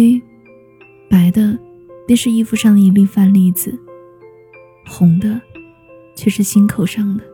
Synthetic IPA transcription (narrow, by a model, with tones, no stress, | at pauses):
e˥ɪ | pa˧˥ɪd̪ə˧ | pjɛ˥˧nʂɻ̩˥˧i˥˧fu˧˥˧ʂɑ˥˩ŋd̪ə˨i˧˩pi˥˧ŋfa˥nli˧˩˧t͡sɹ̩˨˩ | xʊ˧˥ŋd̪ə˧ | t͡ɕʰɥɛ˥˧ʂɻ̩˥˩ɕi˥nkʰo˨˩ʊʂɑ˥˩ŋd̪ə˩